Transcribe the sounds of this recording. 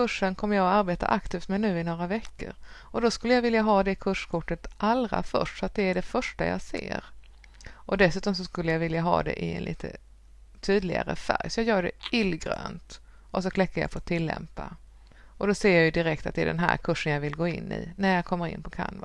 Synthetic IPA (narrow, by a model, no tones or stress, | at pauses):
kɵʂːənkʰɔmːəɾjaɡɔaɾbeːt̪a̰ʔakt̪ʰiːft̪mɛnʉ̟ːɪnoːɾavɛkːə̰ɾʔɔd̪ɔskɵlːəjavɪljaɦɑːd̪ɛɪkʰɵʂkʰʊʈːət̪ʔalɾa̰fœ̰ʂʈsɔat̪̚d̪ɛæɖɛfœʂʈaja̰sḛːɾ | ʔɔd̪ɛsʉ̟ːt̪ɔms̬ɔskɵlːəjavɪljaɦɑ̰ːd̪ɛ̰ʔɪɛ̰nlḭːt̪ʰə | t̪ʰyːd̪lɪɡa̰ɾə̰fæɾjsɔjɑːɡjœːɖɛ̰ɪlːɡɾø̰ːnt̪ | ʔɔs̬ɔkʰlɛkːaɾja̰ft̪ʰɪlːɛ̰mpa | ʔɔd̪ɔseːjajɵd̪ɪɾɛk̚t̪a̰t̪̚ɛæ̰d̪ɛ̰nɦæ̰ːɾkʰɵʂənjavɪlɡoːɪnːɪ̰næɾjɑkʰɔmːəɾɪ̰nːpʰɔkʰa̰nva